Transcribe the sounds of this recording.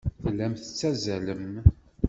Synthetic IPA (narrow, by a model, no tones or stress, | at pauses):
θlːæmθət͡sːæzæləm